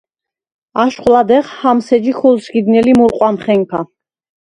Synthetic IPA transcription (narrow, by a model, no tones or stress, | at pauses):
aʃχʼlad̪ɛʁhamsɛd͡ʒikʰɔlsɡid̪nɛlimuɾqʼwamχɛŋkʰa